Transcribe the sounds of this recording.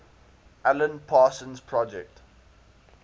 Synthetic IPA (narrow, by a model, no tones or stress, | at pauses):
ʔælə̃npʰaːsə̃nzpʰɹɔd͡ʒɛk̚t